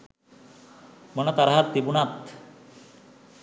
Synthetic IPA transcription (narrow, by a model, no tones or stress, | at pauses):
mɔnat̪aɾaɦat̪ːibunat̪